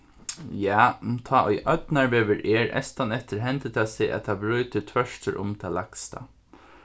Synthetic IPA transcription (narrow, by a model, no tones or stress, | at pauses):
jaːt̪ʰaːʔɔ̰jʔœt̪naɹʋeːʋəɹʔɛːɹɛ̰st̪anɛht̪əɾɦɛnt̪ɪt̪ʰasɛːʔæ̰t̪ʰabɾyːt̪ət̪ʰʋœʂt̪əɾʔʊ̰mt̪ʰalakst̪a̰